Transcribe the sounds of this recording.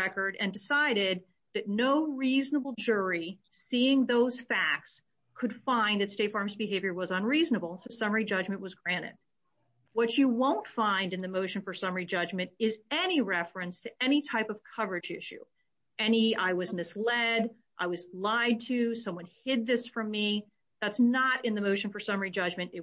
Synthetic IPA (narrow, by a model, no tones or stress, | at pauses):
ɛkə˞ɾɨ̃ndɨsaɪɾɪd̪̚ | ðɨtⁿnoʊɹiznəbl̩ˠd͡ʒʊɹisiɪ̃ŋðoʊz̥fæk̚ts | kʰɨd̥fãɪ̃nðɨtsteɪtfɑɹmzbɨɦeɪvjə˞wʌzə̃nɹiznəbl̩ˠsoʊsʌmə˞id͡ʒʌd͡ʒmɨ̃nʔwʌzɡɹæ̃ɾ̃ɨ̰t̚ | wʌt͡ʃɨwõʊ̃ntfãɪ̃ndɨ̃nðɨmoʊʃɨ̃n̩fə˞sʌmə˞id͡ʒʌd͡ʒmɨ̃ntɪzɛniɹɛfɹɨ̃nstʰɨɛñitʰaɪpʌv̥kʰʌvə˞ɨd͡ʒɪʃʉ̰ | ɛniaɪwʌzmɨslɛɾ | ʔaɪwʌzlaɪd̚tʰʉsʌ̃mwʌ̃nhɪd̪̚ðɪsfɹʌ̃mːi | ðætsnəɾɨ̃nðɨmoʊʃɨ̃nfə˞sʌmə˞id͡ʒʌd͡ʒmɨ̃ñɨ